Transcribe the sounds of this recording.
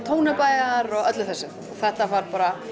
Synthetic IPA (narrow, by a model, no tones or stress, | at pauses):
t̪ʰoːwnapaːjɣaɾɔɣœt̪lʏθɛsːʏ | ɔθɛht̪avaɾ̥paːɾa